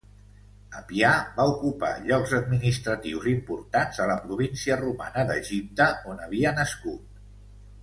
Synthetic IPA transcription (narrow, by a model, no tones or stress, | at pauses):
əpiabaukupa̰ʎɔɡzəd̪̚minist̪ɾət̪iwzimpuɾt̪anzələpɾuβ̞insiəruma̰nəðəʒip̚t̪əonəβ̞iənəskut̪̚